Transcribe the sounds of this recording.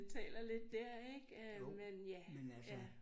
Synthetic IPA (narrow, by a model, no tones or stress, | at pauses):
t͡sʰɛ̰ːlɐle̝d̥ːæɐ̰eɡ̥ømenjæmenæjæ